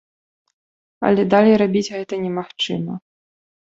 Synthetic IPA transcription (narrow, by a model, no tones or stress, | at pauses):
ɐ̰lʲɛd̪alʲejɾabʲit͡sʲɣɛt̪ɐnʲɛmaxt͡ʂɨmɐ